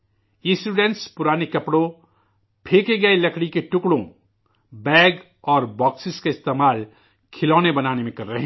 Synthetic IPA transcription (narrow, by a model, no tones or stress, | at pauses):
ĩsʈuːɖẽɳʈspʊɾaːnekɐpɽõ | pʰeːkeɡɐelɐkʰɽikeʈʊkɽõ | bɛːɡ | ɔːɾbɔːksɪskaɪst̪eːmaːl | kʰɪlɔːnebɐnaːnemẽkɐɾːɐɦẽ